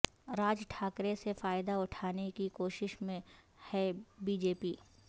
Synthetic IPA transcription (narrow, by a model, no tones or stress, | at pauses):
ɾaːd͡ʒʈʰaːkɾesefaːɪd̪aʊʈʰaːnekikoːʃɪʃmẽ | hɛbiːd͡ʒeːpiː